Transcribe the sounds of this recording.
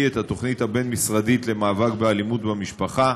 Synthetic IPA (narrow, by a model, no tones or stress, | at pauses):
et̪hat̪o̞χnithabe̞nmisʁadit̪le̞maːvakbealimut̪bemiʃpaχa